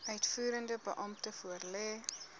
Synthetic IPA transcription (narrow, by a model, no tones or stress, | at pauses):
ʔœɥtfuːɾəndəbəʔɐmtəfuərlɛː